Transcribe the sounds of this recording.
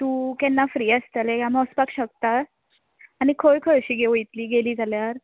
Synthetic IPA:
t̪uːkɛnːafɾiːəst̪alekamɔspakɕək̚t̪a | anikʰojkʰəɭɕiːɡeʋoit̪liːɡeliːd͡zaljaɾ

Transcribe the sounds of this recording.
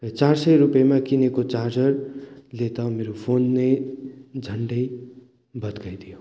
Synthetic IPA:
ʌt͡sarsʌjɾupjamakinekot͡sard͡zʌrlet̪ʌmeɾopʰonːejd͡zʱʌɳɖʌj | bʌd̪ɡajd̪ʱijo

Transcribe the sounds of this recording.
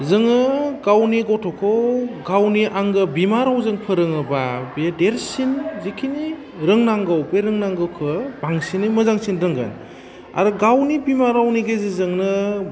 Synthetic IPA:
zɯŋɯɡawniɡɔtʰɔkʰɯwɡawniʔaŋɡɯbimaɾawzɯŋpʰɯɾɯŋɯbabedeɾsinzikʰini | ɾɯŋnaŋɡawbeɾɯŋnaŋɡawkʰɯbaŋsinimɯzaŋsinɾɯŋɡa̰n | a̰ɾɯɡawnibimaɾawniɡezizɯŋnɯ

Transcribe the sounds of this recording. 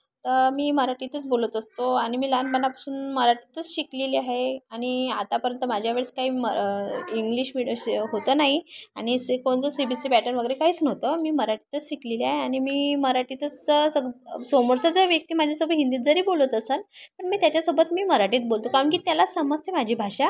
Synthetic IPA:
t̪əmiːməɾaʈiːt̪ət͡sbolət̪əst̪oaɽ̃imiːlanbəɳapḁsuːnməɾaʈiːt̪ət͡sɕikleliaɦeaɽ̃iat̪apəɾənt̪əmad͡ʑʱjaʋeɭəskaiːməiŋɡliɕmiɽəɦot̪ənaɦia̰ɽ̃isekoɳt͡səsibisiːpɛʈənʋəɡəɾekaɦiːt͡snəʋt̪əmiːməɾaʈiːt̪ət͡sɕikleliaɦeaɽ̃imiːməɾaʈiːt̪ət͡ssəɡsomoɾsəd͡zəʋjək̚t̪iːmad͡ʑʱasobət̪ɦind̪iːt̪̚d͡zəɾiːbolət̪əsənpəɳmiːt̪jat͡ɕjasobət̪miːməɾaʈiːt̪̚bolt̪okaʋəɳk̬iːt̪jalasəməd͡zt̪ʰemad͡ʑʱiːbʱaɕa

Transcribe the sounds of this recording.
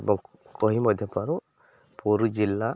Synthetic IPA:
ebɔŋ | kɔɦimɔd̪ʱjɔpaɾu | pɔɾud͡ʒilːa

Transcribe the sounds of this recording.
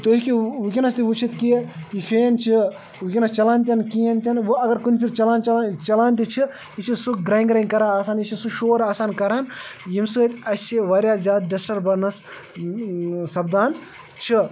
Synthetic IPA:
t̪oikiʋukʲinɐst̪iʋut͡ʃʰit̪kiifeːnt͡ʃʰi | ʋukʲinɐst͡ʃɐlaːnt̪ʲɐnkijɐnt̪ʲɐnʋuɐɡɐɾkunʲpʰiɾt͡ʃɐlaːnt͡ʃɐlaːnt̪it͡ʃʰi | it͡ʃʰisuɡɾaːiŋɡɾaːiŋkɐɾaːaːsaːnjit͡ʃʰisuʃoːɾaːsaːnkɐɾaːnjimsɨt̪ʲɐsʲt͡ʃʰiʋɐɾjaːzʲjaːd̪̚ɖɐsʈɐɾbɐɾnɐs | sɐbd̪aːn | t͡ʃʰi

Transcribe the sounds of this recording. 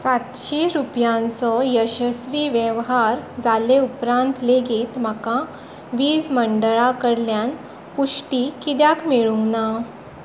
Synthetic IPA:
sat̪ɕiɾupjãnt͡sɔjəɕəsʋiːʋjeʋɦaɾd͡zaleupɾãnt̪leɡiːt̪m̤akã | ʋiːd͡zməɳɖəɭakəɾljan | puʂʈikid̪jakmeɭuna

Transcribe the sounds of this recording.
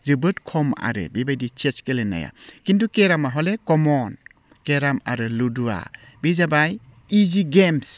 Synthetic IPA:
zɯbɯtkʰɔma̰ɾɯ̰bibajdit͡ʃet͡ʃkelena̰ja̰kintukeɾamaɦɔlekɔmɔn | keɾamaɾɯludua̰ | bizabaj | iziɡems

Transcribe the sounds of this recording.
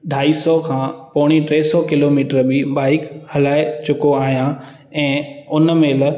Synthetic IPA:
ɖʱaːisɔkʰãːpɔːɽ̃iʈɾeːsɔkɪloːmiːʈəɾbiɓaːɪkhɐlaːɪt͡ɕʊkoaːɦijã | ɛ̃ːʊnmeːl

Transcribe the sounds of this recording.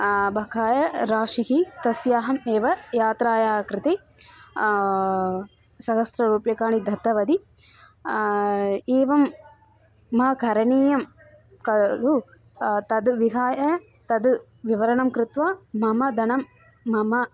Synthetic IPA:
bʱɐkʰaːjɐɾaːʂiɦit̪ɐsjaːɦɐmeːʋɐjaːt̪ɾaːjaːkɾɪt̪e | sɐɦɐsɾɐɾuːpjɐkaːɳid̪ʱɐt̪ːɐʋɐd̪i | eːʋɐmː | ɐɦɐkʰɐɾɐɳiːjɐm | kɐlu | t̪ɐd̪ʋiɦaːjɐ | t̪ɐd̪ | ʋiʋɐɾɐɳɐmkɾɪt̪ʋaːmɐmɐd̪ʱɐnɐmː | ɐmɐ

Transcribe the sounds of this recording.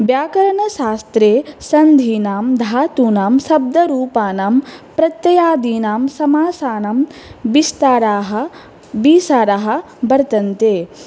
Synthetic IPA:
bjaːkɐɾɐɳɐʃaːst̪ɾeːsɐnd̪ʱiːnaːmd̪ʱaːt̪uːnaːmsɐb̚d̪ɐɾuːpaːnaːmpɾɐt̪jɐjaːd̪iːnaːmsɐmaːsaːnaːmbist̪aːɾaːɦɐ̆ | biːsaːɾaɦɐ̆ | bɐɾt̪ɐnt̪eː

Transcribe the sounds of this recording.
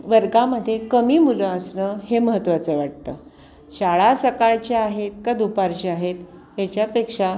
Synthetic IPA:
ʋəɾɡãməd̪ʱːjekəmiːmuləəsnəheməɦət̪ʋat͡səʋaʈ̚t̪ə̰ː | ɕaɭasəkaɭt͡ɕeaɦet̪̚kəd̪ʱupaɾt͡ɕeaɦet̪ɦet͡ɕjapekʂa

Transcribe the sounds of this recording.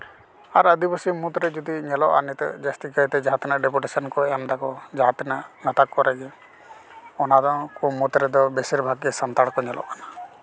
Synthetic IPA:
aɾəd̪ibəsimut̪ɾɛd͡ʒud̪iɲɛlɔʔa̰nit̪ɛ̰d͡ʒast̪ikət̪ɛd͡ʒat̪inaʔɖɛpuʈesɔnkɔamd̪akɔd͡ʒaɦt̪inaʔnət̪akːɔɾɛd͡ʒɛ | ɔnad̪ɔŋkumut̪ɾɛd̪ɔbesiɾbʱaɡɛsant̪aɽkɔɲɛlʔɔ̰ʔkana

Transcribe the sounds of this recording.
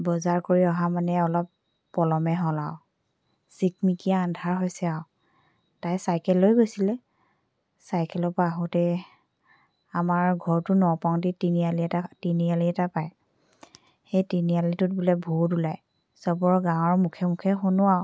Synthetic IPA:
bɔzaɹkoɹiɔɦamanɛɔlɔpː | ɔlɔmɛɦɔlaʊ | sikmikijaːndʱaɹɦojsɛaʊ | tajsajkɛlːojɡojsilɛ | sajkɛlɔpaɦɔtɛ | amaɹɡʱɔɹtʊnɔpaw̃ditinialiɛtatinialiɛtapaj | xejtinialitʊt̚bulɔbʱudulaj | sɔb̬ɔɹɔɡawɔɹmukʰɛmukʰɛxʊnʊwaɔ

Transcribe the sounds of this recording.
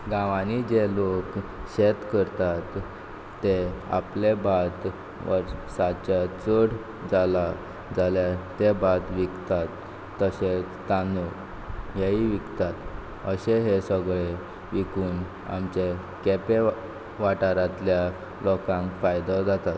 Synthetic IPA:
ɡãʋanid͡ʑelokɕet̪kəɾt̪at̪ː | ea̰plebʱat̪ | ʋə̰ɾsat͡ɕat͡səɽ | d͡zala | d͡zaljat̪ebʱat̪ʋikt̪at̪ː | əɕet͡st̪anuk | jaiʋikt̪at̪ | əɕeɦesəɡɭe | ʋikuːn | a̰mt͡ɕe | kepe | ʋaʈaɾãt̪lja | lɔkãŋkfajd̪əd͡zat̪at̪

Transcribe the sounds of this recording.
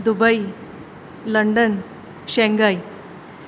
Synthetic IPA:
d̪ubəj | ləɳɖən | ɕeŋɡaj

